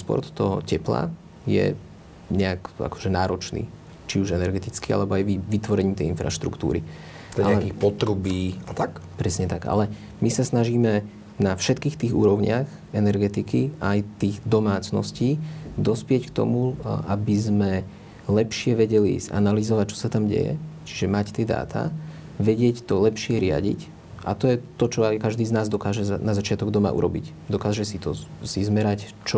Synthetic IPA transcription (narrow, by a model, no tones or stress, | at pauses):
spɔ̰ɾt̪t̪ɔɦɔ̰cɛpla̰ | jɛ̰ | ɲɛaka̰kɔ̥ʒɛnaːɾɔt͡ʃnḭː | t͡ʃiuʒɛnɛɾɡɛt̪it͡skia̰lɛbɔajʋiʋit̪ʋɔɾɛɲiːmt̪ɛjinfɾa̰ʃt̪ɾṵkt̪ṵːɾḭ | ɛaɛkixpɔt̪ɾubiːat̪akpɾɛsɲɛt̪aɡa̰lɛ | misasnaʒiːmɛ | nafʃɛt̪kiːxt̪iːɣṵːɾɔʊɲɪax | ɛnɛɾɡɛt̪ikiajt̪iːɣd̪ɔmaːt͡snɔ̰sciːd̪ɔspɪɛckt̪ɔ̰muʔabizmɛ | lɛpʃɪɛʋɛɟɛlḭza̰nalizɔʋac̚t͡ʃɔ̥sat̪amɟɛ̰jɛ̰t͡ʃi̥ʒɛmact̪ɪɛd̪a̰ːt̪ʰa̰ | ʋɛɟɪɛct̪ɔlɛpʃɪɛɾɪa̰ɟḭc | ʔa̰t̪ɔjɛt̪ɔt͡ʃɔajkaʒd̪iːznaːzd̪ɔkaːʒɛzanazat͡ʃɪat̪ɔɡd̪ɔma̰ːʔṵɾɔ̰bḭc | d̪ɔkaːʒɛsit̪ɔsizmɛɾac | t͡ʃ